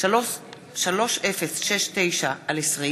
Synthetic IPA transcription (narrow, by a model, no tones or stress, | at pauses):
ʃalo̞ʃʔefesʃeʃte̞jʃaalesʁi